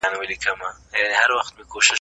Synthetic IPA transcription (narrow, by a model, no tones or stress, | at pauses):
anwalikɐmajanihaɾwaxt̪mekoʃɪ